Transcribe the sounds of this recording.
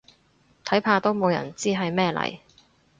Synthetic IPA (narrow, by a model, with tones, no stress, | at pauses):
t̪ʰɐ˨˥jpʰaː˧t̪o˥wmo˨˧wjɐ̰˨˩nt͡siː˥ɦɐ˨jmɛː˥˧lɐ̰˨˩j